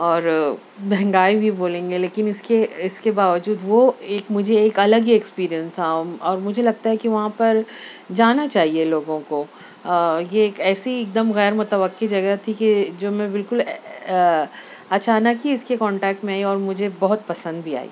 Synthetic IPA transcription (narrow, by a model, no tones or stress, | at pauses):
ɔːɾ | bɛɦɛ̃ŋɡaːibʱiboːlẽːŋɡeleːkɪnɪskeɪskebaːʋəd͡ʒuːd̪ʋoeːkmʊd͡ʒʱeːkɐləɡiekspiːɾijənsaːũmɔːɾmʊd͡ʒʱelɐɡ̚t̪aɦɛkiʋɐɦãpɐɾ | d͡ʒaːnat͡ʃaːɦieloːɡõko | jeːkɛːsiek̚d̪əmɣɛːɾmʊt̪əʋəqːed͡ʒɐɡɛt̪ʰikid͡ʒoːmɛ̃bɪlkʊl | ɐt͡ʃaːnəkɦiɪskekɔ̃ːɳʈɛːk̚ʈmẽaːiɔːɾmʊd͡ʒʱebɔɦʊt̪̚pɐsə̃nd̪bʱia̰ːḭː